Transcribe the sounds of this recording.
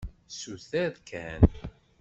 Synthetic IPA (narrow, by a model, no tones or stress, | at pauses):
suθæðkʰæn